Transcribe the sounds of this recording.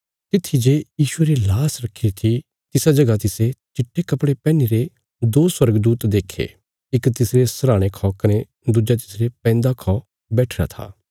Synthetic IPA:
t̪ɪt̪ʰːid͡ʒeːjiːʃʊeɾelaːsɾɐkʰːiɾit̪ʰi | t̪ɪsad͡ʒɐɡat̪ɪset͡ʃɪʈʰːekɐpɽepɛ̃ːniɾe | d̪oːswɐɾɡd̪uːt̪d̪eːkʰːḛ | ɪkt̪ɪsɾesɐɾaːɽ̃ekʰɔkɐne | d̪ud͡ʒat̪ɪ̥sɾepɛ̃ːnd̪akʰɔ | bɛːʈʰːɾa̰t̪ʰa̰ː

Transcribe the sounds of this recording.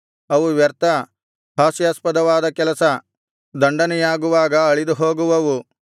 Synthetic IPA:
ɐʋuʋjɛɾt̪ɐ | ɦaːsjɐːspɐd̪ɐʋaːd̪ɐkɛlɐsɐ | d̪ɐɳɖɐnɛjaːɡuʋaːɡɐɐɭid̪uɦoːɡuʋɐʋu

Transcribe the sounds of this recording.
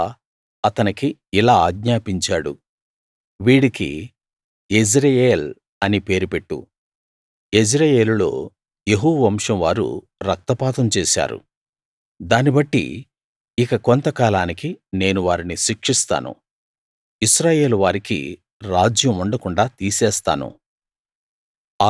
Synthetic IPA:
ɐt̪ɐnikiːlaːaːɡɲaːpiɲt͡ʃaːɽṵ | ʋiːɽikḭ | ed͡ʒɾɐjeːl | ɐnipe̞ːɾupe̞ʈːṵ | ed͡ʒɾɐje̞ːlulo̞̰ː | je̞ɦoːʋɐmʂɐmʋaːɾṵ | ɾɐk̚t̪ɐpaːt̪ɐmt͡ʃeːsa̰ːɾṵ | d̪aːnibɐʈːḭ | ikɐkont̪ɐkaːlaːnikine̞ːnuʋaːɾiniʃikʂist̪a̰ːnṵ | iʃɾaːje̞ːluʋaːɾikḭ | ɾaːd͡ʒjɐmuɳɖɐkuɳɖaːt̪iːsɛːst̪a̰ːnṵ

